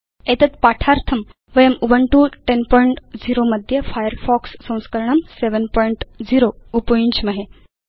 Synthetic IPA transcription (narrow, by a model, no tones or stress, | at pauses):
et̪ət̪paʈʰaɾt̪ʰəm | ʋəjəmuʋəɳʈuʈenpɔjɳʈd͡ziɾoməd̪ʱjefajəɾfɔksːə̃w̃skəɾɳəmseʋənpɔiɳʈd͡ziɾoupəĩɲt͡ɕməɦe